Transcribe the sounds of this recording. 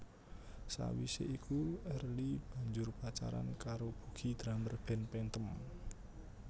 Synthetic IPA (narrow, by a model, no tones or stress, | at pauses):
sa̰wḭsḛʔikuɛrlib̥a̤ɲd͡ʒʊrpat͡ʃa̰ɾa̰nkaɾob̥ṳɡ̥i̤d̪̥ɾamərb̥ɛnpɛnt̪əm